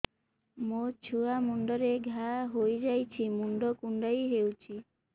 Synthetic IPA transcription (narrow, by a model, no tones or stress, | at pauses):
mot͡ʃʰuamuɳɖɔɾeɡʱaɦojd͡ʒajt͡ʃʰimuɳɖɔkuɳɖajɦewt͡ʃʰi